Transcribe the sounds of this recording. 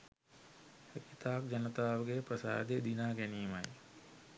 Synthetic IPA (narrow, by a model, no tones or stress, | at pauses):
hekit̪aːk̚d͡ʒɐnət̪aːʋəɡepɾəsa̰ːd̪ed̪inaːɡɛniːma̰j